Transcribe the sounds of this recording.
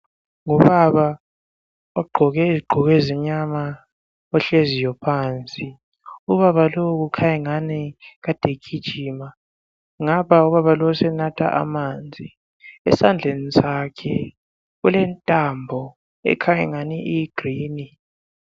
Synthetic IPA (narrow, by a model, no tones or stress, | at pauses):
ŋuβaβa | aɡ͡ǃʱɔɣɛiziɡ͡ǃʱɔɣɛzɛɲama | ɔɬezijɔpʰant͡sʼi | uβaβalowɣukʰajɛŋaniɣad̥ʱekʰid̥ʒ̥ʱiːma | ŋaβauβaβalɔwusɛnatʰa̰ʔa̰maːnd͡zʱi | ɛsand͡ɮʱenizakʰɛ | ɣulɛntʼambʱɔ | ɛ̰kʰajɛŋaniʔiɡ̥riːni